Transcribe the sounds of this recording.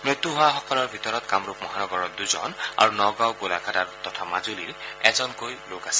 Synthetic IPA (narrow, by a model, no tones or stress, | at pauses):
mɹet̪ːuɦʊwaxɔkɔlɔɹbʱitɔɹɔtkamɹupmɔɦanɔɡɔɹɔduzɔ̰na̰ɹunɔɡawɡolakʰataɹtɔtʰamazuliɹɛzɔnkojlokasɛ̥